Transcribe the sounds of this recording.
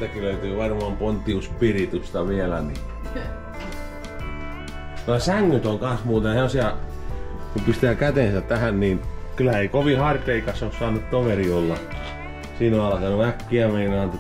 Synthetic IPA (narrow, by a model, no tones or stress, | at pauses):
ækyløyt̪yːʋɑrmɑmpont̪ːiuspirit̪yst̪ɑʋielæ̰nḭ | nosæŋːyt̪oŋkɑ̃nsmuːt̪eheosiɑ | kumpist̪ækæt̪ensæt̪t̪æhænninkylæeikoʋihɑrt̪eikɑsossɑːnːut̪t̪oʋeriolːɑ | siːnoɑlkɑnuʋækːiæmeinɑnt̪